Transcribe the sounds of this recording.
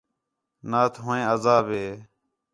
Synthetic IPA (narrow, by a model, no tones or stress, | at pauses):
naːt̪ʰɦoːẽːəzaːbeː